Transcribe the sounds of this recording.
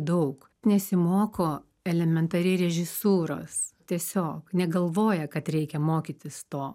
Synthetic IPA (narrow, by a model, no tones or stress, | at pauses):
d̪ɐʊk | nʲɛsʲɪmoːkoː | ɛlʲɛmʲɛnt̪ɐɾʲɪɾʲɛʒʲɪsuːɾo̰ːst̪ʲiɛsʲoːknʲɛɡɐlˠʋoːjɛkɐt̪ɾʲɛɪkʲɛmoːkʲit̪ʲɪst̪oː